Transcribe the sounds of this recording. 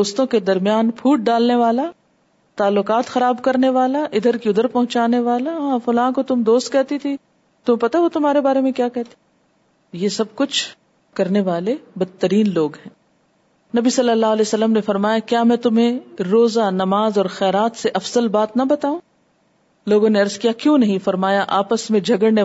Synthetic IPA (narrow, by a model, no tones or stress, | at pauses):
oːst̪õked̪ɐɾmijaːnpʰuːʈ̚ɖaːlneʋaːla | t̪aːlːʊkaːt̪xɐɾaːbkɐɾneʋaːlaʔɪd̪ʱəɾkiʊd̪ʱəɾpɐ̃ɦʊ̃t͡ʃaːneʋaːlaɦãːfʊlãːkot̪ʊmd̪oːst̪̚kɛɦt̪it̪ʰi | t̪ʊmẽpɐt̪aʋot̪ʊmɦaːɾebaːɾemẽkjaːkɛɦt̪i̥ | jesɐb̚kʊt͡ʃʰ | kɐɾneʋaːlebɐt̪ːəɾiːnloːɡɦɛ̃ː | nɐbisɐlːəlːaːɦlɛːsɐlːəmnefɐɾmaːjakjaːmɛ̃ːt̪ʊmɦẽɾoːzanɐmaːzɔːɾxɛːɾaːt̪seʔɐfz̥əlbaːt̪nɐbɐt̪aːũː | loːɡõneɐɾzkijakjũːnɐɦĩfɐɾmaːjaʔaːpəsmẽd͡ʒʱɐɡəɽne